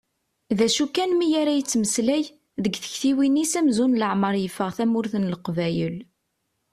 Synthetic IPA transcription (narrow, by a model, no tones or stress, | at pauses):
ðæʃukːænmijaɾæjət͡sːməslæj | ðəɡθə̥çθiwinisæmzunləʕməɾˤjəfːəʁθæmʊɾθənləqvæjəl